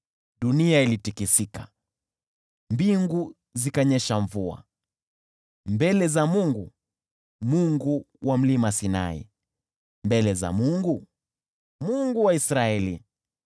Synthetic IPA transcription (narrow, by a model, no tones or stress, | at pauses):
ɗuniailitikisika | mbiŋɡu | zikaɲɛʃaɱvua̰ | mbɛlɛzamuŋɡu | muŋɡu | wʔam̩limasina̰ḭ | mbɛlɛza̰muŋɡu | muŋɡuwaisɾaɛli